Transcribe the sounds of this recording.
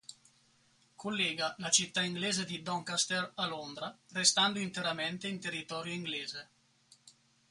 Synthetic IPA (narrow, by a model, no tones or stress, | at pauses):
kʰolːeːɡalat͡ʃit̪ːaiŋɡleːzed̪id̪ɔŋkast̪ɛralond̪ɾarest̪and̪oint̪eɾament̪eint̪erːit̪ɔɾjoiŋɡleːze